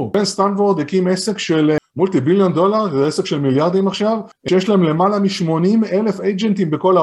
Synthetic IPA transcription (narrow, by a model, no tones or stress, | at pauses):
benst̪anvoʁd̪hekimese̞kʃelmult̪ibiljo̞nd̪o̞laʁesekʃelmiljaʁd̪imaχʃav | eʃjeʃlaemle̞malamiʃmo̞nime̞le̞fejd͡ʒent̪imbe̞ko̞la